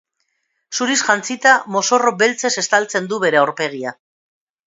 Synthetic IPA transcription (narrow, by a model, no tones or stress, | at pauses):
suɾisʝant͡sit̪amo̞so̞ro̞be̞lt͡se̞se̞st̪alt͡se̞nd̪uβe̞ɾe̞aoɾpe̞ɣ̞ia